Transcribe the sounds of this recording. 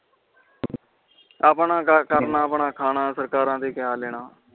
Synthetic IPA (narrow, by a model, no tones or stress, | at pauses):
aːpɳãːkəɾnaːəpɳãːkʰaːnãːsəɾkaːɾãːd̪iːkɪjaːleːɽ̃aː